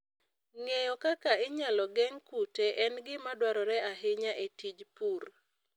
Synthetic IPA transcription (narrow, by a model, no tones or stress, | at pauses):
ŋejɔkakaɪɲalɔɡɛŋkuteʔɛnɡɪmadwaɾɔɾɛaɦɪɲaʔetid͡ʒpur